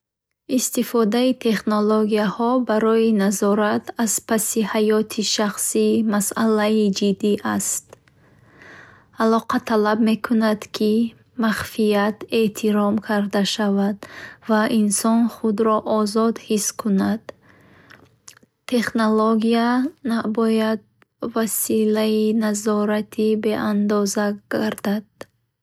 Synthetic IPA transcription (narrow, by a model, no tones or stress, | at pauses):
ist̪ifɔd̪ait̪ʰe̞χnoloɡiahɔbaɾɔinazɔɾat̪ʰaz̥pʰasihajɔt̪ʰiʃaχsimasalaid͡ʒid̪ːiʔast̪̚ | alɔqat̪ʰalabme̞kʰunad̪kʰi | maχfijat̪e̞t̪ʰiɾɔmkʰaɾd̪aʃavad̪vaʔinsɔnχud̪ɾɔʔːzɔd̪hiskʰunad̪̥ | t̪ʰːe̞χnoloɡianabɔjad̪̚ | vasilainazɔɾat̪ʰibe̞ʔand̪ɔzaɡ̥aɾd̪ad̪̥̚